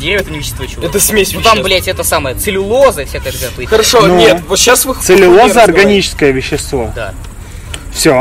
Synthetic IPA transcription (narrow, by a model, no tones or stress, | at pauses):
eɛt̪ənʲɪvʲɪɕːɪst̪vojt͡ɕɛt̪əsʲmʲesʲamblʲetʲɛt̪əsaməjət̪sɨlʲɪlˠozəfsʲakəjək̪zʲat̪xəɾɐʂonuet̪vot̪ɕːasvɨsɨlʲɪlˠozəɐrɡɐnʲit͡ɕɪ̥skəjəvʲɪɕːɪst̪vo̞̰d̪a̰ | fsʲo